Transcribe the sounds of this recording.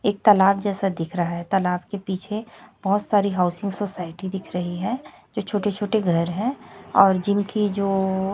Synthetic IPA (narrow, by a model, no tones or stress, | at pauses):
eːk̚t̪ɐlaːbd͡ʒɛːsad̪ɪkʰɾɐɦaɦɛt̪ɐlaːbkepiːt͡ʃʰeb̥ɔɦʊt̪saːɾiɦaʊsɪ̃ŋɡsoːsaːɪʈid̪ɪkʰɾɐɦiɦɛ | d͡ʒoːt͡ʃʰoːʈet͡ʃʰoːʈeɡʱɐɾɦɛ̃ɔːɾd͡ʒɪmkid͡ʒoː